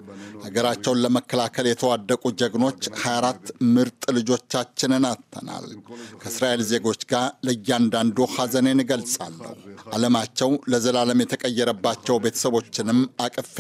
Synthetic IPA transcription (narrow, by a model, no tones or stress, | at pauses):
haɡəɾat͡ʃːɛwnləməkːəlakʰəljɛt̪ʰəwad̪ːəkʼud͡ʒəɡno̞t͡ʃːhajaɾat̪ːmɨɾt̪ʼlɨd͡ʒo̞t͡ʃːat͡ʃːɪnɨnat̪ʰːə̰na̰lkʰəɨsɾaʔe̞lze̞ɡo̞t͡ʃːɡaɾləɨjːɪand̪and̪uhazənenɡəlsʼa̰lːə̰huʔaləmat͡ʃːɛwləzəlaləmjɛt̪ʰəkʼəjːɛɾəbːat͡ʃːɛwbe̞t̪ʰə̥səβo̞t͡ʃːɪnɨmakʼɨf